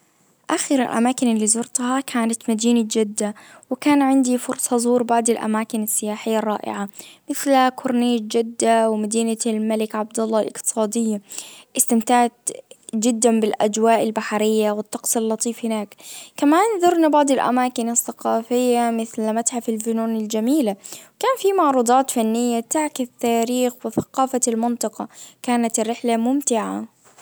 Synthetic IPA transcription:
ʔaxɪɾɪ̰lʔa̰maːkɪnɪlːiːzʊɾt̪hɑkʰaːnat̪mad̪iːnad͡ʒɪd̪ːawɪkaːnʕɪnd̪ifʊɾsˤɑzˤuːɾbaʕd̪ˤɪlʔa̰maːkɪnasːɪjaːħɪjːɑrˤːɑ̰ːʔɪ̰ʕamɪθlkʰʊɾniːd͡ʒɪd̪ːawɪmad̪iːnalmalɪkʕab̚d̪ɑlˤːɑlʔɪ̰qt̪ɨ̥sˤɑːd̪ɪjːaʔɪst̪ɪmt̪aːʕt̪d͡ʒɪd̪ːabɪlʔa̰d͡ʒwaːʔɪlbaħaɾɪjːawɪt̪ːɑqsˤɪlːɑt̪ˤiːfhɪnaːkkamaːnðʊɾˤnabɑʕd̪ˤɪlʔa̰maːkɪnaθːɑqɑːfɪjːamɪθlmat̪ħafɪlfʊnuːnɪld͡ʒamiːlakaːnfimɑʕɾˤuːd̪ˤɑːt̪fanːɪjːat̪aʕkɪθt̪ːaːɾiːxwɪθɑ̥qɑːfalmɪnt̪ˤɑqɑkaːnat̪ɪrːɪħlamʊmt̪ɪʕa̰

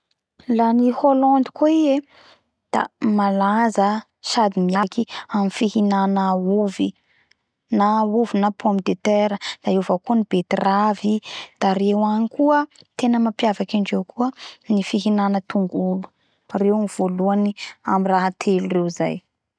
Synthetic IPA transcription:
laniholɔnd̪i̥koie | d̪̥a̰malazə | ʃad̪imiakiamifiɦinanəuvi | nauvinapʰomid̪et̪eɾəd̪̥aevakuənib̥et̪iravid̪̥aɾewanikuət̪enəmapjavakaɳɖ͡ʐewkuənifiɦinanət̪uŋɡulu̥ | rewniv̥oluania̰miraɦat̪ʰelurewiza̰j

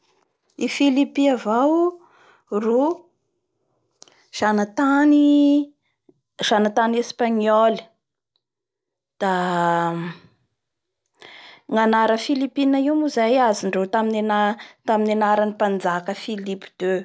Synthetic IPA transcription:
ifilipiavaw | ru | z̥anat̪ani | ʒ̥anat̪anespaɲɔl | d̪̥a | ŋanaɾəfilipinaiwmuzajaziɳɖ͡ʐet̪aminenat̪aminanaɾanipand͡zakəfilipi̥d̪̥ø

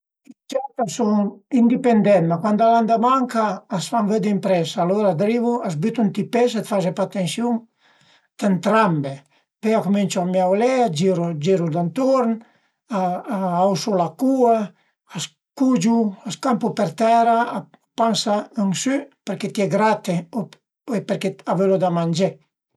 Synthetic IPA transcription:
it͡ʃɛt̪asoŋind̪ipend̪ɛnmakwand̪aland̪amaŋkaːsfanvød̪impɾɛsaːloɾad̪ɾiβuas̬byt̪unt̪ipes̬et̪faʒepat̪ensjuŋ | d̪ent̪ɾambe | peakumint͡ʃuamjawlɛad͡ʒiɾud͡ʒiɾud̪ant̪oɾn | aawsulakua | as | kud͡ʒuaskampupɛɾt̪ɛɾaː | pansaəŋsypɛɾket̪iɛɡɾat̪e | epeɾkeavelud̪amand͡ʒe

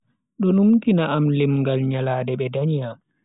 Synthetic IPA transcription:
ɗɔnumkinaamlimŋɡalɲalaːdɛɓɛdaɲja

